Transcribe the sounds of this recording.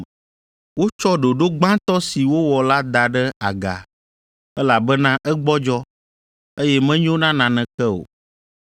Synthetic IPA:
wo˦t͡ʃɔ˦ɖo˨ɖo˦ɡ͡bã˦t̪ɔ˦si˨wo˦wɔ˨la˦d̪a˨ɖɛ˦a˨ɡa̰˨ | ɛ˦la˨bɛ˦nã˦ʔɛ˦ɡ͡bɔ˦d͡ʒɔ˦ | e˦jɛ˦mɛ̃˦ɲ˦õ˦nã˦nã˨nɛ̃˨kɛ˦o̰˨

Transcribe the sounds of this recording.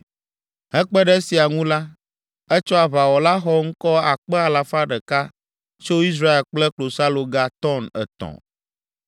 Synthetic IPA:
ɦɛ̃˦k͡pɛ˦ɖɛ˦si˨a˨ŋũ˦la˦ | ɛ˦t͡ʃɔ˦a˨βa˨wɔ˨la˦xɔ˦ŋ̩˦kɔ˦a˨k͡pɛ˦a˨la˨fa˦ɖɛ˨ka˦ | t͡ʃo˦i˦s̬ɾa˦e˨lk͡plɛ˦klo˨sa˦lo˨ɡa˦t̪ɔ˦nɛ̰˨t̪ɔ̰̃˨

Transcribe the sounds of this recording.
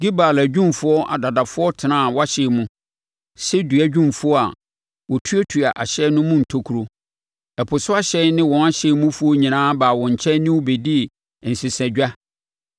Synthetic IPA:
ɡ̥i˦baː˨læ˨d͡ʑᶣũ˦mfʊ˦ɔ˦ʔa̰˨da˨da˨fʊ˦ɔ˦tʰɪ˨nã˦˨wa˦ɕɛ˨mũ˦ | sɛ˦dɥæ˨d͡ʑᶣũ˦mfʊ˦ɔ˦a̰˨ | wɔ˨tʰu˦e˦tʰu˨a˨ʔa˨ɕɛ˦nʊ̃˦mũ˦n̩˨tʰo˦kʰu˨ɾo˨ | ɛ˨pʰʊ˨sʊ˦a˦ɕɛ˦n˦nɪ̃˦wɔ̃˨˦a˦ɕɛ˨˦mũ˦fu˦o˦ɲĩ˨nãː˦baː˨wɔ̃˨ɲ̩˨t͡ɕʰɛ̃˦nɪ̃˦wo˦be˨di˦˨ | n̩˨sɪ˨sɛ̃˨d͡ʑᶣa˦

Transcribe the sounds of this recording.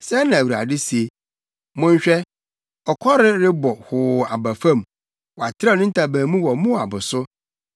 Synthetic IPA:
sɛ˦nã˨wu˨ɾa̰˨dɪ˦si˨e˦ | mʊ̃˦ɲ̩˦ɕᶣɛ˦ | ɔ˨kʰɔ˦ɾɪ˦ɾɪ˦bɔ˨hʊː˨a˨ba˨fã˦˨m | wɔ˨a˨tʰɪ˦ɾa˦˨nʊ̃˦n̩˦tʰa˨bãː˨mũ˦wɔ˨mʊ̃˦a̰˨bʊ˨sʊ˦

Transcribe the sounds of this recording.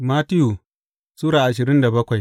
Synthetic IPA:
maː˦tɪ˦ju˨ | suː˦ɽaː˨ʔa˨ʃ̬ɪ˨ɾɪ˦nda˨bɐ˦kʷa˨j

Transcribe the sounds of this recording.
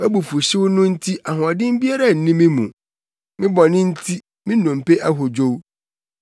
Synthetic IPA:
æ˦bu˨fu˨ɕɪ˦wʊ˦nʊ̃˦n̩˦tʰi˦ʔa˨hʊ˨a˨dɪ̃˦m˦bi˦a˦ɾa˨n̩˨nĩ˦mɪ̃˦mũ˨ | mɪ̃˦bɔ˨nɪ̃˦n̩˦tʰi˦ | mɪ̃˦nɔ̃˨m̩˨pe˦ʔa˦ɦʊ˨d͡ʑo˦w

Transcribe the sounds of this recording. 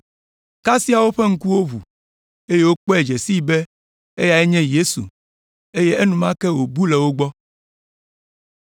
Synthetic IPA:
ka˦si˦a˨wo˦ɸe˦ŋ̩˦ku˦wo˦βṵ˨ | e˦je˦wo˦k͡pɔ˦e˨d͡ʒe˨si˦be˦ | e˦ja˨e˦ɲɛ̃˦je˦sṵ˨ | e˦je˦e˦nũ˨mã˦kɛ˦wo˨bu˦lɛ˨wo˦ɡ͡bɔ˦

